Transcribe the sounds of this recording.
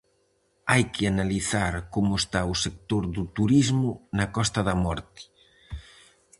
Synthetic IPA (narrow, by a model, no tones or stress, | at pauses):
ajkɪanaliθaɾkomʊest̪aʊsek̚t̪oɾðut̪uɾizmʊnɐkɔst̪ɐðɐmɔɾt̪ɪ̥